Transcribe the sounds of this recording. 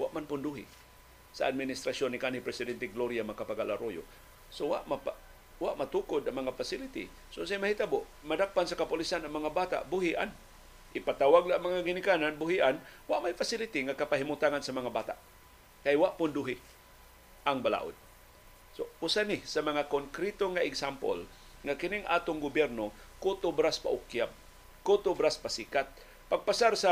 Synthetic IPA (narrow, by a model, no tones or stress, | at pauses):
wa̰ʔmanpʊnd̪uɦḭ | saad̪̚minɪst̪ɾasonikanhipɾɛsɪd̪ɛnt̪ɛɡloɾjamakapaɡalaɾojʊ̰ | sowa̰ʔmapa | waʔmat̪ukʊd̪aŋmaŋafasɪlɪt̪ḭ | soʊnsajmahit̪abʊʔmadak̚pansakapʊlisanaŋmaŋabat̪a̰ʔbʊɦiʔa̰n | ʔipat̪awaɡlaʔmaŋaɡinɪkananbʊɦiʔanwaʔmajfasɪlɪt̪iŋakapaɦimʊt̪aŋansamaŋabat̪a̰ʔ | kajwaʔpʊnduɦɪ | ʔaŋbala̰ːʔʊ̰d̪̚ | sousanɪsamaŋakoŋkɾit̪oŋaɪɡsampo̰l | ŋakɪnɪŋʔa̰ːt̪ʊŋɡʊbjɛɾnokʊt̪ʊbɾaspa̰ʔʊkjab̚ | kʊt̪ʊbɾaspasikat̪̚ | paɡ̚pasaɾsa